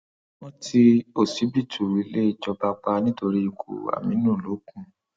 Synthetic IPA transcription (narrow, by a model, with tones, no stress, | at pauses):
wɔ̃˦tʰi˧o˦˨si˨˦bi˦˨tʰu˨wi˨˦le˦i˦˨d͡ʒɔ˧ba˧k͡pa˧nĩ˦to˧ɾi˦i˧kʰo̰˨a̰˨mĩ˨˦nũː˦˨lo˨˦kũ˦